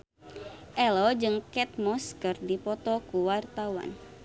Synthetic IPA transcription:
ʔɛlɔd͡ʒɨŋkɛt̪̚mɔskərdipɔt̪ɔkuwart̪awa̰n

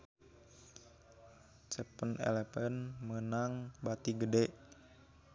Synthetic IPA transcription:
t͡ʃəpənɛ̰lɛpɛnmənaŋbat̪iɡədɛʔ

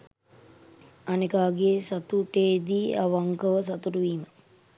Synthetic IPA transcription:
anekaːɡesat̪uʈeːd̪iːa̰ʋaŋkəʋəsat̪uɾuʋiːmə

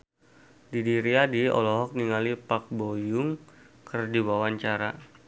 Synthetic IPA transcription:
didiɾiadiɔ̰lɔɦɔk̚niŋalipak̚bojʊŋ | kərdiwawaɲt͡ʃaɾa

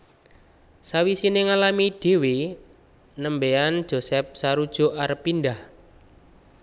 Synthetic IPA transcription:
sawisineŋalamid̥e̤we | nəmbeand̥ʒ̥o̤sɛp̚saɾud̥ʒ̥o̤ʔaɾəpːindah

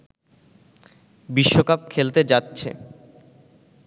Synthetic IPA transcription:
biʃːokap̚kʰelt̪ed͡ʑatːɕʰḛ

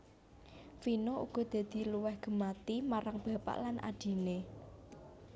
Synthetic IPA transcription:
finoṵɡ̥ɔ̤d̪̥ä̤d̪̥i̤luwɛhɡ̥ə̤mat̪imaɾaŋb̥ä̤pa̰ʔlanʔa̰d̪̥i̤ne

